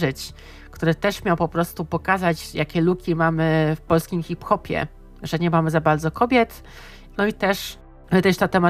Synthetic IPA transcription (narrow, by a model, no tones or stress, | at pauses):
ʐɘt͡ɕ | kt̪uɾɘt̪ɛʂmʲjawpɔpɾɔst̪upɔkazat͡ɕjakʲɛlukʲimamɘfpɔlskʲimxʲipxɔpʲjɛ̰ | ʐɛɲɛmamɘzabaɾd̪zɔkɔbʲjɛt̪ | nɔit̪ɛʂ | ɘt̪ɛʂt̪at̪ɛma